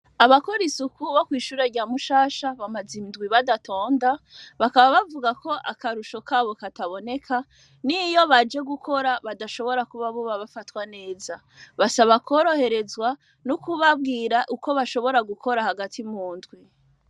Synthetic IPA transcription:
aβakoɾisukʰuβokwiːʃuɾaɾɟaːmuʃaːʃaβamazinndɡwiβadatʰo̞ːndaβakaβaβavuɡakʰo̞ʔakaɾuʃo̞kaːβo̞kataβo̞ne̞kʰa | nijo̞βad͡ʒe̞ɡukʰo̞ɾaβadaʃo̞βo̞ɾakuβaβuβaβafatwane̞ːza | βasaβakoɾo̞he̞ɾe̞zɡwa | nukuβab̚ɡiːɾaʔuko̞βaʃo̞βo̞ɾaɡukʰo̞ɾahaɡatʰimuːndɡwi

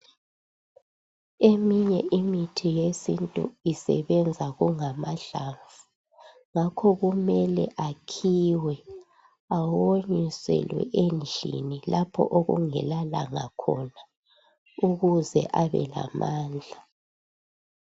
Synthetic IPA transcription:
emiɲɛʔimitʰijesintʼṵisɛ̰βɛnd͡zʱaɣuŋamaɮaɱvu | ŋakʰɔɣumɛlɛ̰ʔakʰiwɛ | awoɲisɛ̰lwɛ̰ʔend͡ɮʱḭnilapʰɔ̰ʔoɣṵŋɛlalaŋakʰɔna | uɣuzɛ̰ʔaβɛ̰la̰maːnd͡ɮʱa

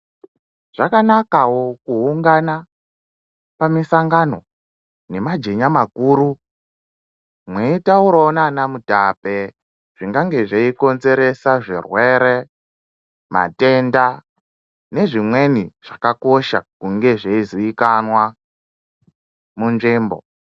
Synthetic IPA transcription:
ʐ̥akanakawokuuŋɡana | pamisaŋɡano̞ | ne̞mad͡ʒe̞ɲamakuːɾu | mweitauɾaonanamutape̞ | ʐ̥iŋɡaŋɡe̞ʐeiko̞nze̞ɾe̞saʐirwe̞ɾe | ma̰te̞nda | ne̞ʐimwe̞niʐ̥akako̞ʃa̰kuŋɡe̞ʐeiziikanwa | munʐiːmbo̰

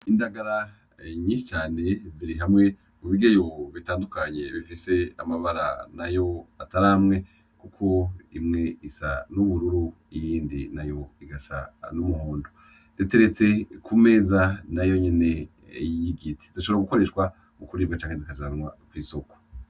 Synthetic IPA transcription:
indaɡaɾa | ɲiʃit͡ʃaːne̞ziɾiɦamŋe̞ | kuβiɡejo̞βitaːndukaɲe̞βifise̞a̰maβaɾa̰najo̞ataɾamŋe̞ | kukʰo̞imŋe̞isa̰nuβuɾuɾu | ijiːndḭnajo̞iɡasa̰numuhuːndo | z̥ete̞ɾet͡se̞kʰume̞ːzanajo̞ɲene̞ | jiɡitʰe̥ziʃoɾaɡuko̞ɾe̞ʃkwa | ukuɾiːbɡat͡ʃaːŋhezikazanwakwiːso̞ko̥

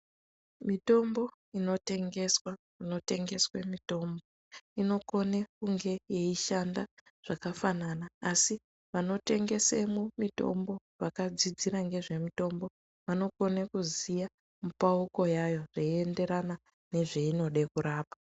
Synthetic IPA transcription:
mito̞mbo̞ | ino̞te̞ŋɡe̞swa | ino̞te̞ŋɡe̞swemito̞ːmbo̞ | ino̞ko̞nekuŋɡe̞jeiʃanda | ʐ̥akafananaːsi | ʋano̞te̞ŋɡe̞semumito̞̰mbo̞ | ʋakad͡zid͡ziɾaŋɡe̞ʐe̞mito̞mbo̞ | ʋano̞ko̞nekuzija | mupauko̞jajo̞ʐ̥eie̞nde̞ɾana | ne̞ʐe̞ino̞ɗe̞kuɾaːpḁ

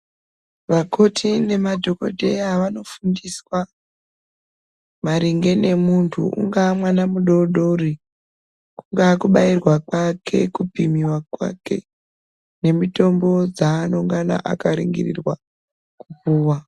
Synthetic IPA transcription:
ʋako̞tʰine̞madʱo̞ko̰dʱeaʋano̞fundiswa | maɾiŋɡe̞ne̞muntʰṵʔṵŋɡamwanamuɗo̞ɗori | kuŋɡaːkuɓairwakwakʰe̞̰kupimiwakwa̰ke̞̰ | ne̞mito̞mbo̞d͡zaːnoŋɡana̰ʔakaɾḭŋɡḭrḭrwa | kupuːwa

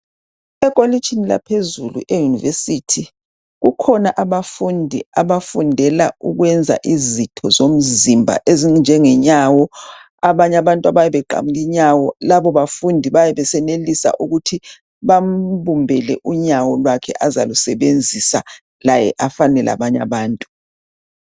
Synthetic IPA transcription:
ɛkʼolit͡ʃʰʼinila̰pʰezulṵʔejunivesitʰi | ɣukʰɔnaʔaβafundʱḭaβafundʱɛla̰uɣwɛnd͡zʱa̰ʔizitʰɔzom̩zimbʱa̰ʔezind͡ʒʱɛŋɛɲawɔ | aβaɲaβantʼaβajɛβɛǃa̰muɣiɲawɔlaβɔβafundʱiβajɛβɛsɛnelisa̰ʔuɣutʰi | βam̩βumbʱɛlɛ̰ʔuɲawɔlwakʰɛ̰ʔaza̰lusɛβend͡zʱisa̰ | lajɛ̰ʔafanɛlʔa̰βaɲa̰βaːntʼu

